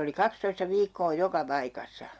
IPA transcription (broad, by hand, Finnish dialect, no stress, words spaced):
oli kɑkstoistɑ ʋiːkːoː jokɑ pɑikɑsːɑ